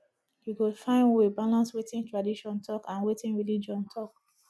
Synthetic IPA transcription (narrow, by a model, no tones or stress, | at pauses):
hiɡofãɪ̃nwebalãnswetĩntɹadiʃɔ̃ntʰɔkãnwetĩnɹilid͡ʒɔ̃ntʰɔk̚